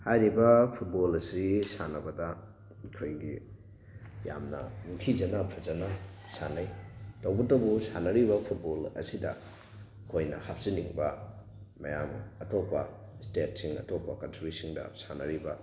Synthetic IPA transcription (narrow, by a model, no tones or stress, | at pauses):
hajɾibɐpʰut̚bolɐsisanɐbɐdɐ | kʰɾojɡi | ja̰mnɐ̰nuŋtʰizɐnɐpʰɐzɐnɐsanajtɐwbɐtɐwbusanɐɾibɐpʰut̚bolɐ̰sidɐ̰ | kʰojnɐ̰hap̚siniŋbɐ | mɐ̰jamɐtopːɐ | stet̚siŋɐ̰topːɐkɐnsɾisiŋdɐ̰sanɐɾibɐ